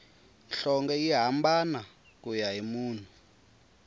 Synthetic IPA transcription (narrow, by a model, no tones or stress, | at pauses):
nɬɔŋɡɛiɦambana | kujaɦimuːn̤ʰu